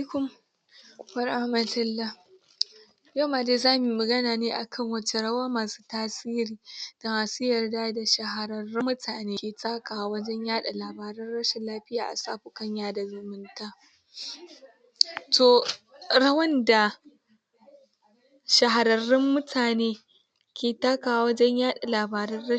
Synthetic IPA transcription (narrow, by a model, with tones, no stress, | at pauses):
kʊ˦m | wɐ˦˨rʔa˦hmɐ˨tɐ˦lːa˦ | ja˦maː˨deː˦zaː˦mi˨mɐ˨ɡɐ˦naː˨neː˦ʔa˨kʰɐ˦ŋwɐ˦t͡ʃe˦ɽɐ˦waː˦maː˨su̥ː˦taː˦siː˦ɾiː˨d̥a˨maː˨su˦jɐ˨rdaː˦da˨ʃɐ˨ɦa˨ɾɐ˨rːɪ˦mːʊ˦tʰaː˨neː˦kʲeː˨taː˦kʼaː˨wɐ˦d͡ʒɛ˦ɲjaː˦ɗa˨laː˨baː˨ɾɐ˦nɽɐ˦ʃa˨laː˦ɸɪ˦jaː˨ʔa̰˨saː˦ɸʊ˨kɐ˦ɲjaː˦da˨zʊ˨mɪ˦ntaː˦ | toː˨ | ɽɐ˦wɐ˦nda˨ | ʃɐ˨ɦa˨ɾɐ˨rːɪ˦mːʊ˦tʰaː˨neː˦ | kʲeː˨taː˦kaː˨wa˦wɐ˦d͡ʒɛ˦ɲjaː˦ɗa˨laː˨baː˨ɾɐ˦ɐ˦